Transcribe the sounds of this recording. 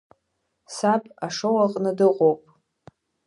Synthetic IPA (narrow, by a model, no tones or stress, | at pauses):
sapʼaʂowaqʼnɨdɨqʼowpʼ